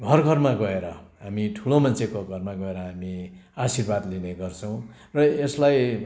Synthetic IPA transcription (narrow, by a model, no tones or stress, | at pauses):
ɡʱʌrɡʱʌrmaɡʌeɾʌɦamiʈʰulomʌnt͡sʰekoɡʱʌrmaɡʌeɾʌɦamiasirbad̪lineɡʌrt͡sʰʌw̃ | rʌeslaj